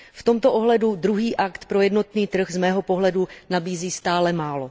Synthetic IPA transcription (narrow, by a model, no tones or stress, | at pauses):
ft̪o̞mt̪o̞ʔoɦlɛdud̪ɾuɦiːʔakt̪pɾo̞jɛdno̞t̪niːt̪r̩ɣzmɛːɦo̞po̞ɦlɛdunabiːziːst̪aːlɛmaːlo̞